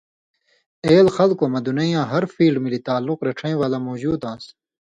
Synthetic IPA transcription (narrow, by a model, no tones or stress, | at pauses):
eːlxɐlkoːmɐd̪unɐjãːɦɐɾfiːlɖmilit̪aːlːuqɾɐʈ͡ʂʰɐ̃ĩːwaːlaːmoːd͡ʑuːd̪ãːs